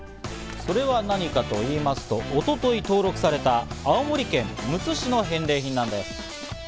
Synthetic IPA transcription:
so̞ɾe̞βanaɲ̟ikat̪o̞iːmasɨ̥t̪o̞ʔot̪o̞t̪o̞it̪o̞ːɾo̞kɯ̟saɾe̞t̪aːomo̞ɾʲikẽ̞mːɯ̟t͡sɨɕino̞ɦẽ̞nɾe̞ːçʲĩnːãnd̪e̞sɨ̥

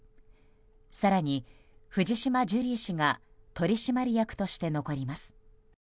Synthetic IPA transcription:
saɾaɲ̟i | ɸɯ̟ʑd͡ʑiɕimad͡ʑɨɾʲiɕiŋat̪o̞ɾʲiɕimaɾʲijakɯ̟̥t̪o̞ɕi̥t̪e̞no̞ko̞ɾʲimasɨ̥

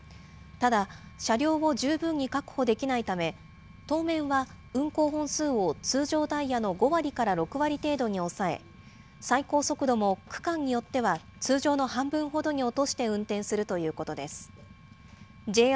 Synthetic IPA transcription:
t̪ad̪aɕaɾʲo̞ːβo̞ʑɨːbɯ̟̃ɲ̟ːikakɯ̟̥ho̞d̪e̞kʲinait̪ame̞ | t̪o̞ːmẽ̞ɰ̃βa | ɯ̟̃ŋko̞ːɦõ̞ɰ̃sɨːo̞t͡sɨːʑo̞ːt̪aijano̞ɡo̞βaɾʲikaɾaɾo̞kɯ̟βaɾʲit̪e̞ːd̪o̞ɲ̟io̞sae̞̰ | saiko̞ːso̞kɯ̟d̪o̞mo̞kɯ̟̥kãɲ̟ːijo̞t̪ːe̞βat͡sɨːʑo̞ːno̞hãmbɯ̟̃ɰ̃ɦo̞d̪o̞ɲ̟io̞t̪o̞ɕi̥t̪e̞ɯ̟̃nt̪ẽɰ̃sɨɾɯ̟t̪o̞jɯ̟ːko̞t̪o̞d̪e̞sɨ̥ | d͡ʑe̞ː

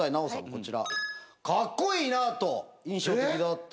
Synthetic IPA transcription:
ainaosã̰ŋko̞t͡ɕiɾa̰kakːo̞iːnat̪o̞ĩɰ̃ɕo̞ːt̪ekʲid̪at̪ː

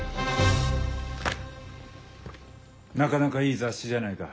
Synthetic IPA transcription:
nakanakaiːzaɕiʑanaika

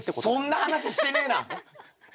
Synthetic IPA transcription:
esonːahanaɕiɕi̥t̪enena

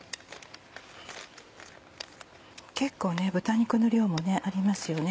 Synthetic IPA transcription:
ke̞kːo̞ːne̞bɯ̟t̪aɲ̟ikɯ̟noɾʲo̞ːmo̞ne̞ʔaɾʲimasɨjo̞ne̞

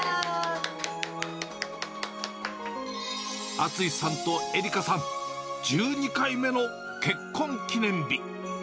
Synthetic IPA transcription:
at͡sɨisãnt̪o̞eɾʲikasãnd͡ʑɨːɲikaime̞no̞ | ke̞kʰːõ̞ŋkʲinẽ̞mbʲi

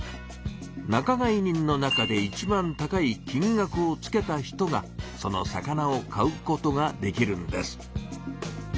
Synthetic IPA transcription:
nakaɡaiɲ̟ĩnːo̞nakad̪e̞it͡ɕibãnt̪akaikʲĩŋɡakɯ̟o̞t͡sɨ̥ke̞t̪açi̥t̪o̞ɡaso̞no̞̰sa̰kanao̞kaɯ̟ko̞t̪o̞ɡad̪e̞kʲiɾɯ̟̃nd̪e̞sɨ̥

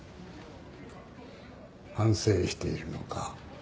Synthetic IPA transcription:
hãɰ̃se̞ːɕi̥t̪e̞iɾɯ̟no̞̰ka

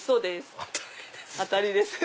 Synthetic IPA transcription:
so̞ːd̪es | at̪aɾʲid̪esɨ̥

